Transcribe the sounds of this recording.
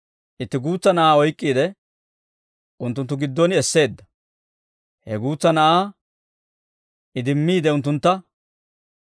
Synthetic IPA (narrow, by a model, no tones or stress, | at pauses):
ʔɪt̪ːɪɡuːt͡sːɐnɐʔaːɔjkʼːiːd̪ɛ | ʔʊnt̪ːʊnt̪ːʊɡɪd̪ːɔnɪɛsːe̞ːd̪ːɐ | hɛɡuːt͡sːɐnɐʔaː | ʔɪd̪ɪmːiːd̪ɛʊnt̪ːʊnt̪ːɐ